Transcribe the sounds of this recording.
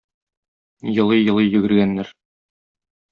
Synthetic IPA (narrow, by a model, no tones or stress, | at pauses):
jɤ̆lˠɤjjɤ̆lˠɤjjɵ̆ɡɘ̆ɾɡænːæɾ